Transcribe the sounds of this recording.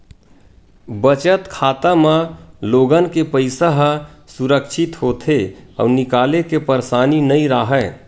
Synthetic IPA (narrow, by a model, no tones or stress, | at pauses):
bət͡ʃət̪kʰaːt̪amaloɡənkepəɪsaɦəsuɾəkʃʰɪt̪ɦot̪ʰeɔ̰ːnɪkaːlekepəɾsaːninəĩɾəɦɛ